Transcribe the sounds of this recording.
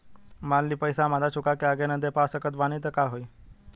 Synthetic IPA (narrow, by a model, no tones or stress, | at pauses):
manliːpəjsãmad̪ʱat͡ɕukakeaɡenəd̪ʱepasəkət̪ʋañit̪əkaɦoj